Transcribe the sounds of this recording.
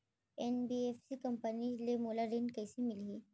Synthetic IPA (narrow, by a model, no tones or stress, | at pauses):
enbiefsiːkəmpənilemolaɾeɳɖkəjsimilɦi